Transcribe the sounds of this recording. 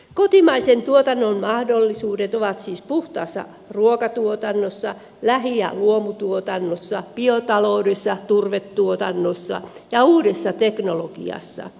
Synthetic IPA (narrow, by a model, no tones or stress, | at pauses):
kot̪imɑisent̪uot̪ɑnːommɑhdolːisuːdet̪oʋɑt̪siːspuht̪ɑːsːɑ̰ | ruokɑt̪uot̪ɑnːosːɑ | læɦiæ̰luomut̪uot̪ɑnːosːɑpiot̪ɑloudesːɑt̪urʋet̪ːuot̪ɑnːosːɑ̰jɑuːdesːɑt̪eknoloɡ̥ḭɑ̰sːɑ̰